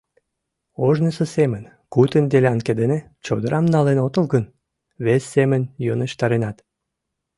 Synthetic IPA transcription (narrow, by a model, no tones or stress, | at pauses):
oʒnəsəsemən | kut̪ənd̪eleɑnked̪ene | t͡ɕod̪əɾʔɑmnɑlenot̪əlɣən | βesːemənjonəʃt̪ɑɾenɑt̪